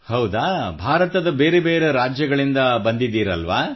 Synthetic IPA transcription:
hɐwd̪aːbʱaːɾɐt̪ɐd̪ɐbeːɾebeːɾeɾaːd͡ʒjɐɡɐɭind̪ɐbɐnd̪id̪iːɾɐlʋaː

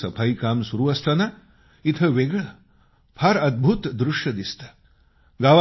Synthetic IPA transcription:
sɐpʰɐjkaːmsuɾuːʋɐst̪ʰɐnɐ | it̪ʰɐʋeɡɐɭɐ | pʰɐɾɐd̪̚bʱut̪d̪ɾuʂjɐd̪ist̪ʰɐ̥ | ɡaːʋa

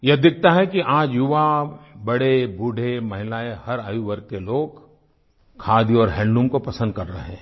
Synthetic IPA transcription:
jɐd̪ɪk̚ʰt̪aɦɛkiʔaːd͡ʒjʊʋabɐɽebuːɖʱemɐɦɪlaːehɐɾaːjuʋəɾk̪eloːɡ | kʰaːd̪iɔːɾɦɛ̃ːɳɖumkopɐsə̃nd̪̚kɐɾːɐɦɛ̃ː

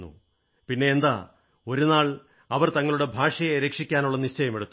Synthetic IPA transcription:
ṵ | pinːe̞ːnd̪a̰ː | o̞ɾunaːɭ | ɐʋɐrt̪ɐŋːɐɭuɽe̞bʱaːʂɐjeɾeːkʂikʲːaːnuɭːɐniɕt͡ɕɐjɐmeɽut̪ː

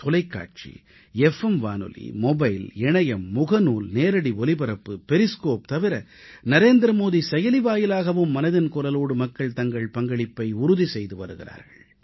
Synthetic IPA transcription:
t̪ʊlɐɪkːa̰ːʈ̚t͡ʃḭ | ɛfɛmʋaːnɯ̰lḭmɔbɐɪlɛɳɐjɐmːʊɣɐnuːlneːɾɐɽiɔlɪbɐɾɐpːɯpɛɾɪskoːp̚t̪ɐʋɪɾɐ | nɐɾeːnd̪ɾɐmoːðisɛjɐlɪʋaːjɪlaːɣɐʋɯmːɐnɐðɪnkʊɾɐloːɽɯmɐkːɐɭt̪ɐŋɡɐɭpɐŋɡɐɭɪpːɐɪʊɾʊðisɛjðɯʋɐ̰ɾɯɣɪra̰ːɾɣɐ̰ɭ

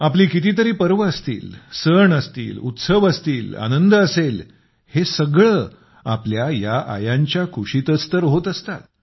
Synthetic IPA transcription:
apliːkit̪iːt̪əɾiːpəɾʋəəst̪ḭːlsəɳəst̪ḭːlṵt̪səʋəst̪iːla̰nənd̪əsel | hesəɡɭə | apljajaʔa̰jãɲt͡ɕjakʰuɕit̪ət͡st̪əɾɦot̪əst̪a̰t̪

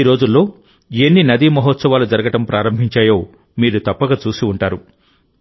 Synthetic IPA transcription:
iɾo̞ːd͡ʒulːo̞ː | enːinɐd̪imɐɦɔt̪sɐʋaːlud͡ʒɐɾɐɡɐʈɐmpɾʔaːɾɐmbʱiɲt͡ʃaːjo̞ː | miːɾut̪ɐpːɐɡaːt͡ʃuːsiuɳʈaːɾu

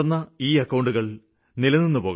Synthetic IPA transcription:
nːɐiːɐkːɐwɳɖuɣɐɭ | nilɐnːinːupo̞ːɣ

